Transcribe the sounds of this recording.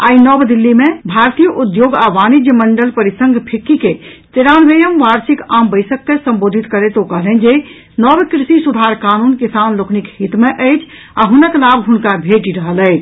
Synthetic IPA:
a̰ːinɔbd̪ilːimebʱaɾt̪ijəʔud̪joɡaʋanid͡ʒjəməɳɖəlpəɾisəŋɡpʰikːiket̪eɾanʋejəmʋaɾsikambəɪsəkːesəmbod̪ʱit̪kəɾet̪okəɦlɦə̃nd͡ʒe | nɔbkɾisisud̪ʱaɾkanunkisanlokʰnikhit̪meʔəɪt͡ʃʰ | aɦunəklabɦunkabʱeʈiɾəɦələjt͡ʃʰ

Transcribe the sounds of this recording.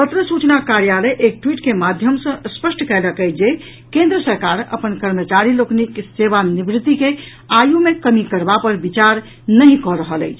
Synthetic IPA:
t̪ət̪ɾəsut͡ʃnakaɾjaləjʔek̚ʈwiʈkemad̪ʱjəmsə̃spəsʈkɛləkəjt͡ʃʰd͡ʒe | kẽnd̪ɾəsəɾkaɾə̰pənkəɾmət͡ʃaɾiloknikseβanibɾit̪ːike | ajumekəmikəɾbapəɾbit͡ʃaɾ | nəɦĩkɔɾəɦələ̰ɪt͡ʃʰ

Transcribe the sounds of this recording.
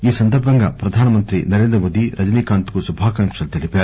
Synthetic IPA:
iːsɐnd̪ɐɾbʱɐŋɡɐpɾɐd̪ʱaːnɐmɐnt̪ɾinɐɾeːnd̪ɾɐmoːd̪iɾɐd͡ʒɐniːkaːnt̪u̥kusubʱaːkɐŋkʂɐlt̪ilipa

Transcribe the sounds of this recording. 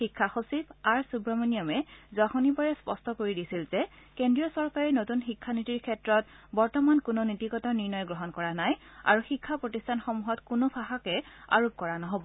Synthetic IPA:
xikʰːaxosipaɹsubɹɔmonijɔmɛzɔxonibɔɹɛspɔstʰɔkoɹidisilzɛ | kendɹijɔsɔɹkaɹinotunxikʰːanitiɹkʰɛtɹɔt | bɔɹtɔmankʊnonitikɔtaniɹnɔjɡɹɔɦɔnkɔɹanaja̰ɹuxikʰːapɹotistʰanxɔmuɦɔtkunopʰaɦakɛa̰ɹup̚kɔɹanɔɦobɔ

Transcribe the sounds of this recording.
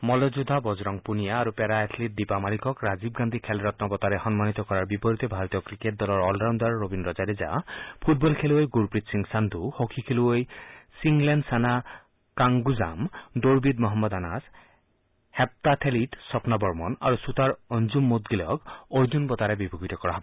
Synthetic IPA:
mɔlɔd͡ʒud̪ʱabɔd͡ʒɾɔŋpunijaːɾupeɾaet̪ʰlit̚d̪ipamalikʰɔkɾad͡ʒibɡand̪ʱikʰɛlɾɔt̪nɔbɔt̪aɾexɔnmanit̪ɔkɔɾaɾbipɔɾit̪ebʱaɾɔt̪ijɔkɾikeʈ̚d̪ɔlɔɾɔlɖɾawnd̪aɾːobinɾɔd͡ʒaɾed͡ʒa̰pʰut̚bɔlkʰeluejɡuɾpɾit̪siŋsand̪ʱuhokʰikʰeluejsiŋɡlenɖsana | kaŋɡuzamd̪oɾbid̪mɔɦɔmːɔd̪anas | hɛp̚t̪at̪ʰelitsɔpnabɔɾmɔna̰ɾusut̪aɾond͡ʒumːot̪̚ɡilɔkojd͡ʒunbɔt̪aɾebibʱuɡit̪ɔkɔɾaɦɔbɔ

